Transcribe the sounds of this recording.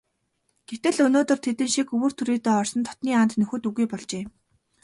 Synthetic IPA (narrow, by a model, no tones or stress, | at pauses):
ɡ̥et̪ɘ̆ɮɵnoːt̪ɵ̆r̥t̪ʰet̪ɘ̆nʃikɵwɵ̆ːr̥t̪ʰuɾiːt̪eːɔrsɞ̆nt̪ʰɔ̥t̪niːant̪nɵxɵ̆ːt̪uɣujpɔɮt͡ɕeː